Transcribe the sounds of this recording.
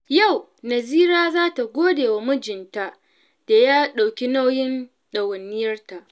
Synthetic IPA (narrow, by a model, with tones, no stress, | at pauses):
ja˦˨w | nɐ˨ziː˦ɾaː˦zaː˦ta˨ɡʷoː˦deː˨wa˨mʊ˦d͡ʒɪ˨nta˦ʔ | d̥a˨jaː˦ɗa˨wkʲi˦na˦wjɪ˦n | ɗɐ˨wɐ˨nːɪ˦jɐ˦rta˨ʔ